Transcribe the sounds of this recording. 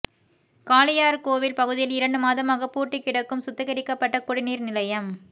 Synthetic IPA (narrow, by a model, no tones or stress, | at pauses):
kaːlɪjaːɾkoːʋɪlpɐɣɯðɪjɪlɪɾɐɳɖɯmaːðɐmaːɣɐpːuːʈːɪkːɪɽɐkːɯmsʊt̪ːɐɣɐɾɪkːɐpːɐʈːɐkːʊɽɪniːɾnɪlɐjɐm